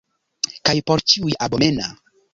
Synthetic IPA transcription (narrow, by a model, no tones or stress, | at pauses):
kajpoɾt͡ʃiujabomena